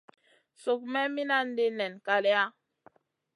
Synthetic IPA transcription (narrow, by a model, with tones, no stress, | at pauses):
so˨k̚mɛ˦mi˦na˦n˦de˦nɛ˨nka˨lɛ˦a˦